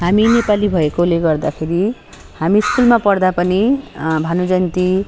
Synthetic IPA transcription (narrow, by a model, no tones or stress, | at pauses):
ɦaminepalibʱʌekoleɡʌrd̪akʰeɾi | hamiskulmapʌrd̪apʌnibʱanod͡zʌnt̪i